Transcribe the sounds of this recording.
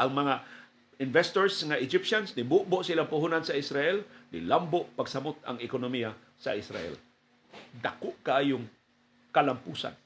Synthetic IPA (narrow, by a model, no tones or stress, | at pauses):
ʔaŋmɐŋa | ɪnvɛst̪oɹsŋaʔɪd͡ʒɪp̚ʃansnɪbʊʔboʔsilampʊɦunansaɪsɾaʔɛlnɪ̰lamboʔpaɡsamot̪̚a̰ŋɪkonomija | sa̰ʔɪsɾa̰ʔɛ̰l | d̪akoʔkaʔajʊŋ | kalampuːsa̰n